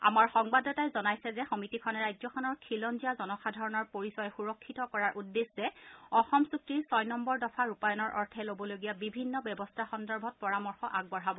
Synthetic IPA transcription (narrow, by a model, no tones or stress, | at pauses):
a̰maɹxɔŋbadɔtajzɔnajsɛzɛxɔmitikʰɔnɛɹajzɔkʰɔnɔɹkʰilɔnzijazɔnɔxadʱɔɹɔnɔɹpoɹisɔjɛxuɹɔkʰːitɔkɔɹaɹʔudːeszɛɔxɔmsuktɹisɔjnɔmbɔɹdɔpʰaɹupajɔnɔɹʔɔɹtʰɛlobɔloɡijabibʱinːɔbɛbɔstʰaxɔndɔɹbʱɔt̚pɔɹamɔɹxɔʔaɡ̚bɔɹɦabɔ